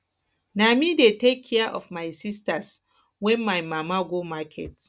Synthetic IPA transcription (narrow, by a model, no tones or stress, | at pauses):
namidetekʰːɛaʔɔ̰fmajsistas | wɛ̃nmajmamaɡomakʰɛ̰t